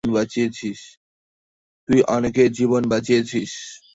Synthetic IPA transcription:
nbat͡ɕijet͡ɕʰiʃ | t̪uiʔɔneked͡ʑiβonbat͡ɕijet͡ɕʰiʃ

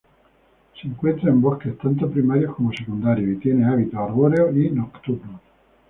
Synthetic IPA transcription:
siːŋkwent̪ɾaimboket̪ant̪̬opɾimaɾjokomosekund̪aɾjoet̪jɛneaβit̪oarβoɾeoinokt̪uɾno

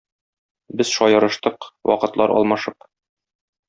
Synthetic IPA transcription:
bɘzʃɒjɤ̆ɾɤ̆ʃt̪ɤqwɒ̰qɤ̆t̪lˠɑɾʔɒ̰lˠmɑʃɤp

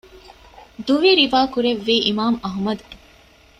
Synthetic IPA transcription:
d̪uʋiɾiʋaːkuɾeʋːiːʔimaːmɐɦmɐd̪u

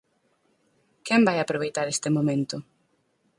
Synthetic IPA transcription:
kɛmbajapɾoβ̞ejt̪aɾest̪ɪmomẽnt̪ʊ

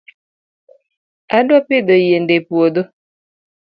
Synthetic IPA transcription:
adwapɪd̪ojendepwod̪o

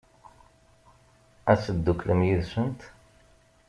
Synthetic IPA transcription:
æsəd̪ːukːləmjiðsənt̪

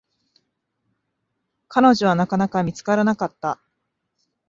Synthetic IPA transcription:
kʰano̞ʑo̞β̞anakanakamʲit͡sɨ̥kaɾanakat̪ːa

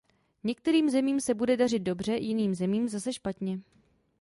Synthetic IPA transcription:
ɲɛk̚t̪ɛɾiːmzɛmiːmsɛbudɛdarɪt̪̚do̞br̝ɛjɪniːmzɛmiːmzasɛʃpat̪ɲɛ

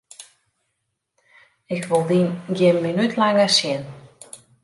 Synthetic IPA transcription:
ɪkʋolˠdinɡjɪmːinytʰlaŋəsjɪn

